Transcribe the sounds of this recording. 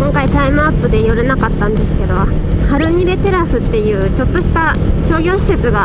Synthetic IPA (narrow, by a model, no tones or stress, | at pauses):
kõ̞ŋkait̪aimɯ̟apːɯ̟d̪e̞joɾɯ̟nakat̪ːãnd̪e̞sɨ̥ke̞d̪o̞ | haɾɯ̟ɲ̟iɾe̞t̪e̞ɾasɨt̪ːe̞jɯ̟ːt͡ɕo̞t̪ːo̞ɕi̥t̪a | ɕo̞ːɡʲo̞ːɕi̥se̞t͡sɨɡa